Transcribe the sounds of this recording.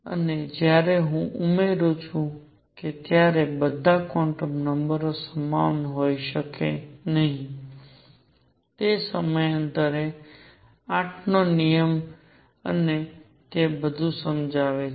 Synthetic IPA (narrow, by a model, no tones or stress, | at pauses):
ə̰ned͡ʒjaɾeɦũʔumeɾut͡ʃʰũ | ket̪jaɾebəd̪ʱakɔ̃ɳʈəmnəmbəɾosəmaʋnɦoiʃəkḛnəɦĩ | t̪esəməjənt̪əɾe | ãʈʰnonijəm | ə̰ne | t̪ebəd̪ʱũsəmd͡ʒaʋe